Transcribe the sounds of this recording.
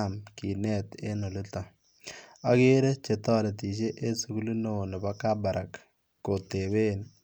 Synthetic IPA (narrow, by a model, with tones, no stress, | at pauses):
a˨mki˨nɛ˦t̪e˦no˨lɪ˦ta˨ | a˨˦ke˦ɾe˦t͡ʃe˨tɔ˦˨le˨ti˨ʃ̬e˦ʔe˦su˨ku˦lu˦no˨ne˨ba˦ka˦ba˨ɾʔa˨kː | o˨te˨be˦n